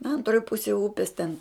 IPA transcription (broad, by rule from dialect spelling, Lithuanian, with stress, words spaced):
ˈɐntroːj ˈpʊsʲeːj ˈʊpʲɪs tʲɛn